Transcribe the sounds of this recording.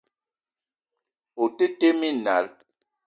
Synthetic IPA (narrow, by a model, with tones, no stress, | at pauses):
o˨te˦te˦mi˦na̰˨˦l